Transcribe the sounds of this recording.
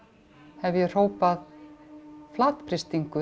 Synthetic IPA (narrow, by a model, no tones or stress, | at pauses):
hɛvjɛr̥oːwpað | flaːt̪pʰɾɪst̪iŋkʏ